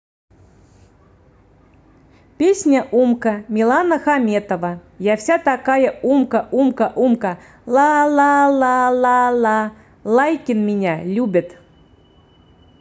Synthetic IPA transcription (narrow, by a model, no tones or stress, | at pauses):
pʲesʲnʲəʔumkəmʲɪlˠanəxamʲet̪əvə | jafsʲat̪akajəumkəʔumkəʔumkə | lˠɑlˠɑlˠɑlˠɑlˠɑ | lˠajkʲɪnmʲɪnʲalʲubʲɪt̪